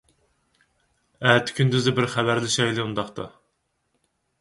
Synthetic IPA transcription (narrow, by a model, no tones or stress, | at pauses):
æt̪ʰɪ̥kʲʰynd̪yzɪbɪɾχæbæɾlɪʃɑjlˠɪund̪ɑχt̪ɑ̰